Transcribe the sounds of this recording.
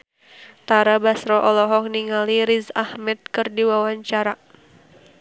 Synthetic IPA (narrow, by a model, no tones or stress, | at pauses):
t̪aɾabasɾɔʔɔlɔɦɔk̚niŋaliɾizahmɛt̪̚kɨrdiwawaɲt͡ʃaɾa